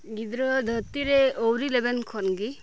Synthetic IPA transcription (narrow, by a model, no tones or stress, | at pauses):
ɡid̪ɾɔd̪ʱɔt̪iɾeowɾilebenkʰɔnɡi